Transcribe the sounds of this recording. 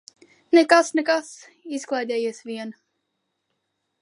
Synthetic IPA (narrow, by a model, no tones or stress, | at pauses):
nɛkasnɛkas | isklˠajd̪ʲɛːjiɛsviɛn